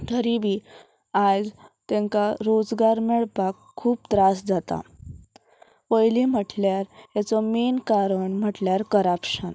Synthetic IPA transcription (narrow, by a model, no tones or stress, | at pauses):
t̪ʰəɾiʋi | ad͡zt̪ɛ̃ŋkaɾod͡zɡaɾmɛɭpakʰːuːp̚t̪ɾasd͡zat̪a̰ | ʋəjlim̤əʈljaɾjat͡sɔmenkaɾəɳm̤əʈljaɾkəɾapɕən